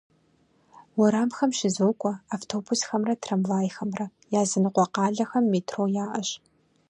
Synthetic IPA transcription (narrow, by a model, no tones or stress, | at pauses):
wʊɾaːmxɐmʃɪzoːkʷʰʼɔaftʰoːbusxɐmrɐtʰrɐmvaːjxɐmrɐjaːzɨnɨqʷɔqɑːɮɐxɐmːeːtʰroːjaːʔɐɕ